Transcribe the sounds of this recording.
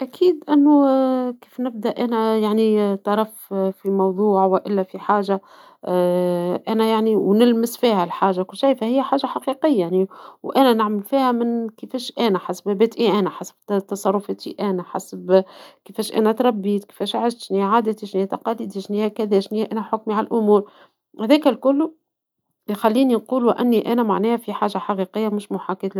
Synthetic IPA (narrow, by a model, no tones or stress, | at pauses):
ʔækʰiːd̪ʔɪnːukiːfnɪb̚d̪æʔʔænæjaʕnit̪ɑɾˤɑffimɑwðˤuːʕwɪʔɪlːæfiħaːʒa | ʔænæjaʕniwnɪlmɪsfiːhælħaːʒakʊlːʃijfæhɪjːæħaːʒaħɑqiqɪjːajaʕniwʔænænɪʕmɪlfiːhæmɪnkɪfɛːʃʔænæħasbhæbæːt̪ʔiʔænæħasbt̪ɑsˤɑrˤːʊfæːt̪ḭʔænæħa̰sbkəfɛːʃʔæ̰næt̪ɾˤɑbːiːt̪ke̥fɛːʃʕɪʃt̪ʃniʕaːd̪æt̪iʃniːt̪ɑqɑliːd̪iʃniːhækæðɛːʃnihæʔænæħʊkmiʕallʔʊmuːɾ | hæðɛːkælkʊlːu | xælːiːninquːlwʔæ̰nːiʔænæmaʕnɛːhfiħaːʒaħaqiqəjːamʊʃmʊħakiːt̪